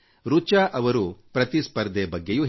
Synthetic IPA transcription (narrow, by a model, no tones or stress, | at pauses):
ɾut͡ʃaːʔɐʋɐɾupɾɐt̪ispɐɾd̪ʱebɐɡːejuɦ